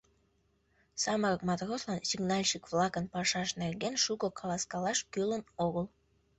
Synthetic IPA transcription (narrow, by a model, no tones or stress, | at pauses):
sɑməɾək̚mɑt̪roslɑnsiɡnɑlʲʃikvlɑkənpɑʃɑʃnerɡenʃuɣokʰɑlɑskɑlɑʃkølənoɣəl